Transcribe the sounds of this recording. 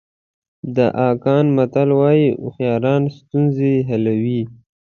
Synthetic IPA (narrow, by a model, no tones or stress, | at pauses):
d̪əʔɑkɑnmat̪alwɑjiʔʊxjɑːɾɑnst̪unzeɦalawi